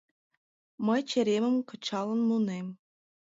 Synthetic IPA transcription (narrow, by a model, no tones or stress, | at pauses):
mɤjt͡ɕeɾʲemɘ̆mkɤ̆t͡ɕɑlˠɤ̆nmunem